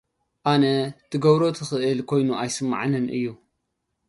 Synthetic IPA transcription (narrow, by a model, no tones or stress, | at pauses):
ʔanɐt̪ʰɨɡɐβɾo̞t̪ʰɨxɨʔɨlkʰo̞jnuajsɨmːa̰ʕnɨnʔɨ̰jːu